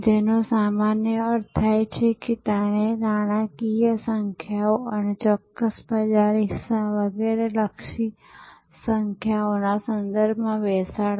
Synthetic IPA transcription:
d͡ʒenosamanjəəɾt̪ʰajt͡ʃʰeket̪aɽ̃enaɽ̃akijəsəŋkʰjaoənet͡ʃɔkːəsbəd͡ʒaɾɦisaʋəɡeɾeləkʃi | səŋkʰjaonasənd̪əɾbʱmãʋɛsa

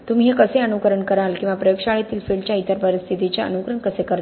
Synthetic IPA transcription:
t̪um̤iɦekəseənukəɾəɳkəɾalkĩʋapɾəjəkʂaɭjat̪iːlfiɭɖt͡ɕjait̪əɾpəɾist̪ʰit̪it͡ɕaə̰nukɾəɳkəsekəɾ

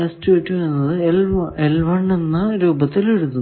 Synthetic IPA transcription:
ɐstuʋeʈːuʋɐɾnːɐðɨelelʋɐɳːenːɨɾuːbɐt̪ːileɽut̪ːun

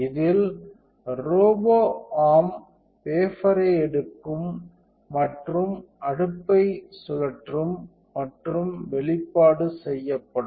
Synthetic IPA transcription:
ɪðɪl | ɾoːboːaːm | peːfɐɾɐɪɛɽɯkːɯmː | ɐʈrɯm | ɐɽɯpːɐɪsʊɣɐʈrɯmː | ɐʈrɯmʋɛɭɪpːaːɽɯsɛjːɐpːɐɽɯ

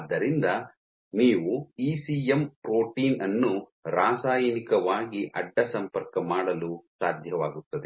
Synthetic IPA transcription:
d̪ːɐɾind̪ɐ | niːʋuiːsiempɾoːʈiːnɐnːuɾaːsaːjɐnikɐʋaːɡiʔɐɖːɐsɐmpɐɾkɐmaːɽɐlusaːd̪ʱjɐʋaːɡut̪ːɐd̪e

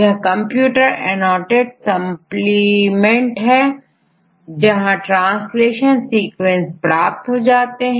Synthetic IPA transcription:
jɐɦkɐ̃mpjuːʈəɾɛ̰nɔːʈeɖsɐmplimẽɳʈɦɛ | d͡ʒɐɦãʈɾãːnsleːʃənsiːkʋẽnspɾaːp̚t̪ɦod͡ʒaːt̪eɦ

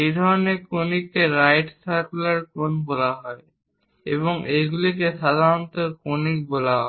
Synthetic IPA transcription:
ejd̪ʱɔɾonekonikːeɾajʈsaɾkulaɾkonbolaɦɔe | ḛβoŋejɡulikeʃad̪ʱaɾɔt̪okonik̚bolaɦɔe

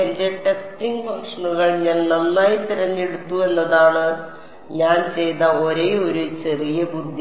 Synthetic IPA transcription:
ɐndeʈeksʈiŋɡpɐŋʂɐɳuɣɐɭɲɐːlnɐnːaːjit̪iɾɐɲːeɽut̪ːue̞nːɐðaːɳɨ | ɲaːnt͡ɕe̞jnɐoɾe̞ːo̞ɾut͡ɕe̞rijɐbud̪ʱj

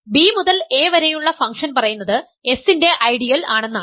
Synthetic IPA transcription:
biːmuðɐle̞ːʋɐɾɐjuɭːɐfɐŋkʂɐnpɐrɐjunːɐðɨ | e̞sinde̞ʔɐjɽijɐlaːɳe̞nːaːɨ

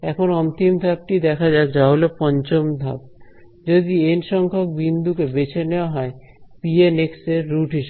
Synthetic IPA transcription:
ɛkʰonɔnt̪imd̪ʱab̚ʈid̪ɛkʰad͡ʑaekd͡ʑaɦolepɔɲt͡ɕomd̪ʱa̰b̚ | d͡ʑod̪ienʃɔŋkʰok̚bind̪ukebet͡ɕʰeneoaɦɔe | pienekseɾːuʈɦiʃe

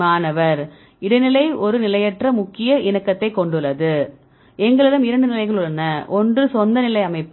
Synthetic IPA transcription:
aːnɐʋɐɾ | ɪɽɐnɪlɐɪʔɔɾɯnɪlɐjɛʈrɐmʊkːɪjɐʔɪnɐkːɐt̪ːɐɪkːɔɳɖɯɭːɐðɯ | ɛŋɡɐɭɛlɐmɪɾɐɳɖɯnɪlɐɪɣɐɭɯɭɐnɐʔɔndrɯsɔnd̪ɐnɪlɐɪɐmɐɪpː

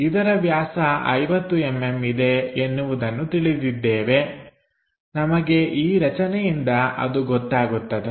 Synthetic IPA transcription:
id̪ɐɾɐʋjaːsɐɐ̰jʋɐt̪ːuemːemid̪e̞ːnːuʋud̪ɐnːut̪iɭid̪id̪ːɛːʋe̞ | nɐmɐɡe̞ʔiːɾɐt͡ʃɐnɛjind̪ɐʔɐ̰d̪uɡɔt̪ːaːɡut̪ːɐd̪e

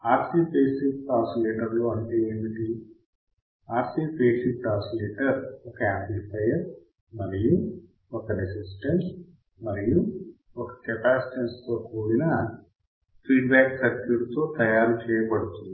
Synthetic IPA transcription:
aːɾsiːpeːsik̚ʈaːsleːʈɐɾloːɐɳʈiːʋɐnɐd̪i | aːɾsiːpeːsik̚ʈaːsleːʈɐɾɔkɐeːmplipʰɐjɐɾ | mɐliju | ɔkɐɾisisʈens | mɐɾiju | ɔkɐ̥kɛpaːsʈenst̪oːkoːɽinɐ | pʰiːɖbaːksɐkuɾt̪oːt̪ɐjaːɾt͡ʃɛːjɐpɐɽut̪und̪

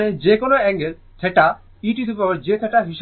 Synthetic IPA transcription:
ned͡ʑekonoɛŋɡel | t̪ʰɛʈa | iʈit̪upaɾd͡ʑet̪ʰɛʈaɦiʃ

